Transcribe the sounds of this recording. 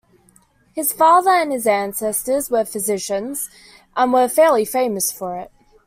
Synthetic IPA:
hɪz̥fɑːðə˞ə̃nɪzæ̃nsɛstəzwəfɪzɪʃə̃nz̥ | ʔə̃nwəfɛɹlifẽɪ̃məsfəɹɪt̚

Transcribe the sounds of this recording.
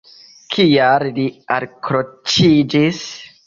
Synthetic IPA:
kʰijalliankɾot͡ʃid͡ʒis

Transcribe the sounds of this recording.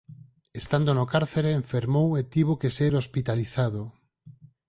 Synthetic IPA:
est̪and̪onokaɾθeɾeɱfeɾmowet̪iβ̞okeseɾospit̪aliθað̞o

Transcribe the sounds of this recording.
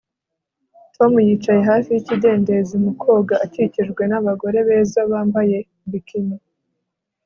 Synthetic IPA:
tʰo̞mujiːt͡ʃaje̞ɦaːfijicide̞ːnde̞zimukʰo̞ːɡaʔaciciʒɡwe̞naβaɡo̞ɾe̞βe̞ːzaβaːmbaje̞ | βikimi

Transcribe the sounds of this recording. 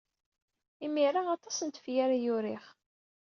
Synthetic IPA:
imiɾaʁɑt̪ˤːɑsənt̪ə̥fjaɾajʊɾiχ

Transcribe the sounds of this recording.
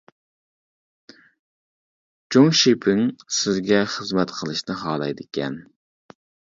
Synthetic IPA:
t͡ʃʰoŋʃipʰɪŋsɪzɡʲɛχəzmɛt̪qʰəlˠɨʃnɨɦɑːlˠɑjd̪ɪkʲɛ̰n

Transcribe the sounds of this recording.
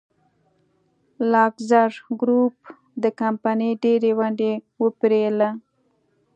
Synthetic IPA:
lɑkzaɾɡɾup̚ | d̪əkampanəjɖeɾewaɳɖe | wəpɾela

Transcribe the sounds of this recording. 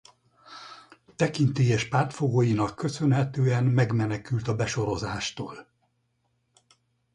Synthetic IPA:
t̪ɛkint̪eːjɛʃpaːrt̪fo̞ɡoːjinɒkːø̞sø̞nɦɛt̪øːɛnmɛɡmɛnɛkylt̪ɒbɛʃo̞ɾo̞zaːʃt̪o̰ːl

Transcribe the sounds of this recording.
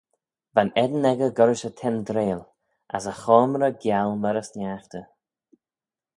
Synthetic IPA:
vanɛd̪ənɛɡəɡɔɾɪʃət̪ʰɛnd̪ɾeːl | a̰səxɔːmɾəɡjalməɾəsnjaːxt̪ə

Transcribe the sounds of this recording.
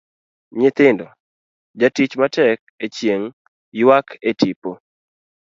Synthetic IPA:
ɲɪt̪ɪndɔ | d͡ʒatit͡ʃmatɛk̚ | et͡ʃjeŋ | jwakʰetipo

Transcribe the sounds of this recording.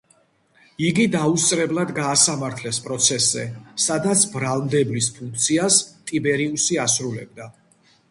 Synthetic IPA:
iɡid̪aust̪sʼɾɛblˠad̪ɡaːsamaɾt̪ʰlɛspʼɾɔt̪sʰɛsz̥ɛ̰sad̪at̪sʰbɾalˠmd̪ɛblispʰuŋk̚ʰt̪sʰiast̪ʼibɛɾiusiasɾulɛ̰b̚d̪a

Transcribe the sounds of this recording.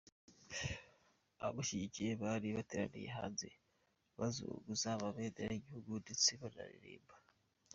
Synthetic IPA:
aβaβuʃiɟicijeβaɾiβateɾanije̞ɦa̰ːnze̞̰ | βazo̰ɡuzaβaβeːdeɾaiɟihuɡudet͡seβana̰ɾḭɾḛːmba

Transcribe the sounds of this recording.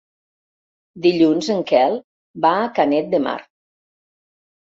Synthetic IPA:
d̪iʎunzəŋkɛlˠ | baːkanɛt̪̚d̪əma̰ɾ

